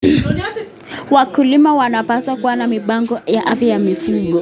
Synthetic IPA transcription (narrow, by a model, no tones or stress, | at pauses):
wakulimawanapasakuwanamiɓaŋɡɔjaʔafjajamisiɡɔ